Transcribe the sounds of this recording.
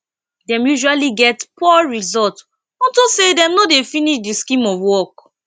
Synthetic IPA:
dɛ̃mjuʒualiɡɛtpɔɹizɔlt | ɔ̃ntosedɛ̃mnodefiniʃdiskĩmɔvwɔk

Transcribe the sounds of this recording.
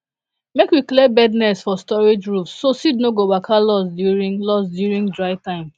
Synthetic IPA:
mekwiklebɛdnɛsfɔstɔɹed͡ʒɹufsːosidnoɡobakʰalɔsdjuɹĩŋlɔsdjuɹĩŋdɹaɪtãɪ̃m

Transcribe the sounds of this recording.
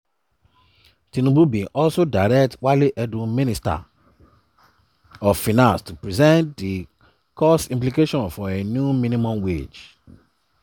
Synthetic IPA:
tĩnũbubĩʔɔlsodaɪɾɛktwaliʔɛdũmĩnista̰ | ɔfinãnstupɹizɛ̃ntdi | kʰɔsĩmplikeʃɔ̃nfɔenjumĩnĩmɔ̃mwḛd͡ʒ

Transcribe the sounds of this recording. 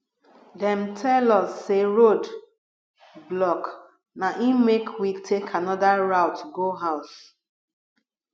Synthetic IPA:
dɛ̃mtʰɛlɔsːeɹod | blɔk | naʔimekʰwitʰekʰanɔdaɹaʊtɡoɦaʊs

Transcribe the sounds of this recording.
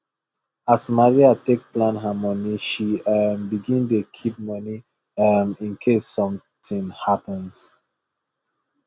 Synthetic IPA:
asmaɹiatek̚plãnɦamɔniʃiambiɡĩndekʰip̚mɔni | amĩnkʰesːɔ̃m | tĩnhapə̃ns

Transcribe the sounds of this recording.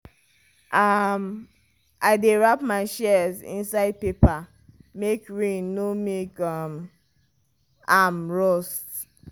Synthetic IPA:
ʔam | aɪdeɹapmaɪʃɛzḭ̃nsaɪd̚pepa | mekɹĩnːomekam | amɹɔst

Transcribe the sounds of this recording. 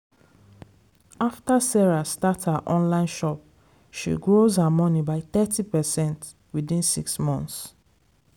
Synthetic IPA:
aftasɛɹastathaʔɔ̃nlãɪ̃nʃɔp̚ | ʃḭɡɹozhamɔnibaɪθɛtipɛsɛ̃nt | widĩnsḭksmɔ̃nθs

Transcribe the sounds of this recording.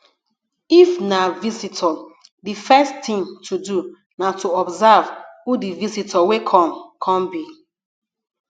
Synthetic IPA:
ifnavizitʰɔ | difɛstĩŋtʰudu | natuɔbzavhudivizitʰɔwekʰɔ̃mkʰɔ̃mbi

